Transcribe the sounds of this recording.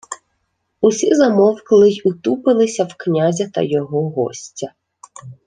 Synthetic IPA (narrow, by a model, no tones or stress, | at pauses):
usʲizɐmɔwklˠɪjʊt̪upɪlˠɪsʲɐwknʲazʲɐt̪ɐ̰jɔɦɔɦɔ̰sʲtʲɐ